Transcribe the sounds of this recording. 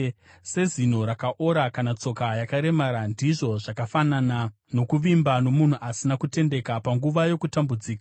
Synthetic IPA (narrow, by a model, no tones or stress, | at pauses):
se̞zin̤o̞ɾakaʔo̞ɾakanat͡so̞kajakaɾe̞maɾandiʐo̞ʐakafanana | no̞kuʋimbano̞mun̤uʔasinakute̞nde̞kapaŋɡuʋajo̞kutambud͡ziːkḁ